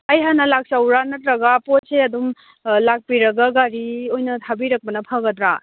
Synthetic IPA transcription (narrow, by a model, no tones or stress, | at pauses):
ɐjɦanɐlak̚sɐwɾanɐtɾɐɡapot̚sʰeɐdum | lak̚piɾɐɡaɡaɾiojnɐtʰabiɾɐk̚pɐnɐpʰɐɡɐdɾa